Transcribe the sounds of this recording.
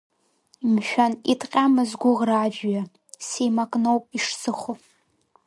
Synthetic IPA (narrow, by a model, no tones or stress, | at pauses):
mʃᶣanitʰʼqʲʼamɨzɡʷʊʁraːd͡ʒᶣja | sejmakʼnowpʼiʂsɨχʷo